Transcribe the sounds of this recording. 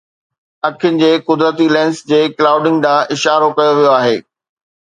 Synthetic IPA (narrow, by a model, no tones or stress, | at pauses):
ɐkʰɪjʊnɪ̆d͡ʑeːkʊd̪ɾət̪ilɛ̃ːnsd͡ʑeːklaːʊɖɪ̃ŋɡɖãːʔɪʃaːɾokɐjoʋijoaːɦeː